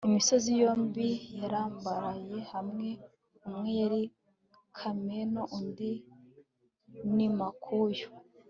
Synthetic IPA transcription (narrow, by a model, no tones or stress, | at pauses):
imiso̞zijoːmbijaɾaːmbaɾaje̞hamŋe̞ | umŋejaɾi | kʰamenoʔundi | nimakʰujo̥